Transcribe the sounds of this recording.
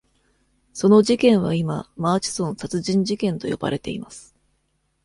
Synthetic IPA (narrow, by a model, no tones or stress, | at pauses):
so̞no̞ʑikẽ̞ɰ̃βaima̰maːt͡ɕi̥sõ̞ñsat͡sɨʑĩɲ̟d͡ʑikẽ̞nt̪o̞jo̞̰b̥a̰ɾe̞t̪e̞imasɨ̥